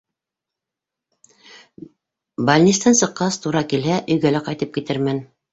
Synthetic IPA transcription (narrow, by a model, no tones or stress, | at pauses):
balʲnʲit̪st̪ɑnsɤ̆qːɑst̪uɾɑkilɦæʔɵ̆jɡælæqɑjt̪ɤp̚kit̪ɘɾmæn